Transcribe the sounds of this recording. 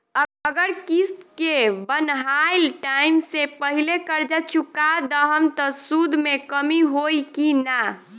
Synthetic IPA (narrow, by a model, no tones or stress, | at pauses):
əɡəɾkist̪kebənɦajlʈaimsepəɦilekəɾd͡ʒat͡ʃukad̪əɦəmt̪ɔsud̪ʱmekəmiɦojkina